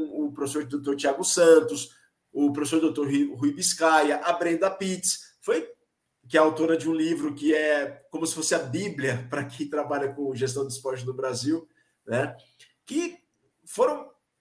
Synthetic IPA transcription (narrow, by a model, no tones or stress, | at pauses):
ʊpɾofesoɾd̪owt̪oɾt͡ʃiaɡʊsɐ̃t̪ʊs | ʊpɾofesoɾd̪owt̪oɾɦɦuijbiskajɐʔabɾẽd̪ɐpit̪ɪsfoj | kɪɛawt̪oɾɐd͡ʒɪũlivɾʊkɪɛkõmʊsɪ̥fosɪɐbiblʲiɐpɾɐkẽj̃t̪ɾabaʎɐkõʒes̬t̪ɐ̃w̃d̪ɪspɔd͡ʒɪnʊbɾaziw | nɛ | kɪ | foɾɐ̃w̃